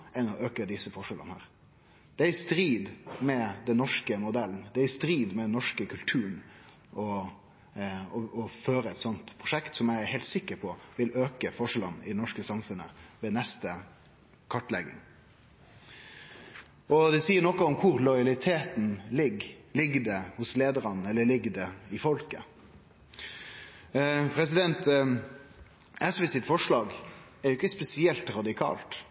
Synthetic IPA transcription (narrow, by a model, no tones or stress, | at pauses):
ʔɛnɔʔøːkəd̪ɪsəfɔʂɛlʔə̰nhæ̰ːɾ | d̪̥ɛæɾɪst̪ɾiːd̪mɛd̪ɛnːɔʂkəmʊd̪ɛlːn̩d̪ɛæɾɪst̪ɾiːd̪mɛd̪ɛnːɔʂkəkʰʉlt̪ʰʉːɳ | ɔ | ɔɔføːɾəɛt̪sɔnt̪pʰɾʊʂɛkt̪sɔmjæɪhɛːlt̪sɪkːəɾpʰɔʋɪløːkəfɔʂɛlənɪ̰d̪ɛnɔʂkəsɑmfʉnːə̰ʋeːnɛst̪ə | kʰɑʈːlɛ̰ɡɪ̰ŋ | ɔd̪ɛsiːəɾnɔkɔɔmkʰʊɾlɔʏɑlɪt̪ʰeːt̪n̩lɪɡlɪɡd̪ɛhʊsleːd̪əɾɑnɛlːəɭɪɡːd̪ɛɪfɔlkə | pʰɾɛsɪd̪ɛnt̪ | ɛsʋɛsɪt̪fɔʂlɑːɡ | ɛjʊɪkːəspɛsɪɛlt̪ɾɑd̪ɪkʰɑ̰ːlt̪